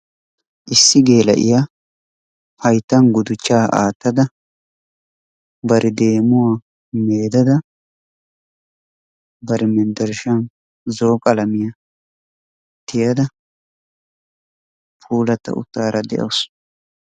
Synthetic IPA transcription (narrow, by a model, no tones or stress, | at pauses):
ʔɪsːɪɡe̞ːlɐ̰ʔɪ̰ja | hɐjt̪ːɐnɡʊd̪ʊt͡ʃːaːʔa̰ːt̪ːɐd̪ɐ | bɐɾʔɪd̪e̞ːmʊwaː | meːd̪ɐd̪ɐ | bɐɾɛmɛnd̪ɐɾʃɐn | zo̞ːkʼɐlɐmɪjɐ | t̪ːɪjɐd̪ɐ | pʰuːlɐt̪ːɐ̰ʔʊ̰t̪ːaːɾɐd̪ɛ̰ʔɐ̰wʊs